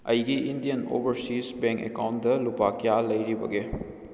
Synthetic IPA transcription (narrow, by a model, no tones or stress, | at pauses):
ɐjɡiʔindijɐno̰bɐɾsisbeŋkḛkawntdɐlupakijalɐjɾibɐɡe